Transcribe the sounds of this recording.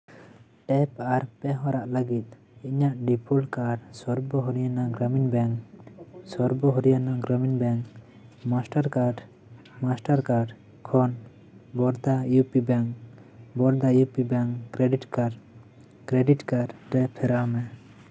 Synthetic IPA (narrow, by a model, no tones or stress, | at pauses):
ʈɛpaɾpɛɦɔ̃ɾaʔləɡit̪̚ | iɲaʔɖipʰulkaɖsɔɾbɔɦɔɾijanaɡɾaminbɛŋksɔɾbɔɦɔɾijanaɡɾaminbɛŋk | masʈaɾkaɖ | masʈaɾkaɖ | kʰɔn | bɔɾd̪ajupibɛŋk | bɔɾd̪ajupibɛŋkɾɛɖiʈkaɖ | kɾɛɖiʈkaɖɾɛpʰɛɾamɛ